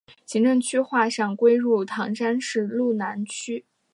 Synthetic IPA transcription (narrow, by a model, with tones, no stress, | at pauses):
ɕi˧˥ŋʈ͡ʂɤ˥˩ŋt͡ɕʰy˥xwa˥˧ʂɑ˥˩ŋkwe˥ɪɻu˥˩t̪ʰɑ˧˥ŋʂa˥nʂɻ̩˥˩˧lu˥˩na˧˥nt͡ɕʰy˥